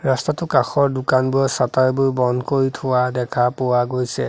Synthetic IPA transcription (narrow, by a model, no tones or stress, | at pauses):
ɹastatʊkaxɔɹdukanbujɔsatajbojbɔndkoɹitʰʊwadɛkʰapʊwaɡojsɛ̰